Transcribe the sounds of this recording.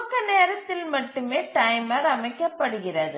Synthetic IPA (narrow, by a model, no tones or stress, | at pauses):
kːɐneːɾɐt̪ːɪlmɐʈːɯmeːʈɐjmɐɾɐmɐɪkːɐpːɐɽɯɣɪrɐðɯ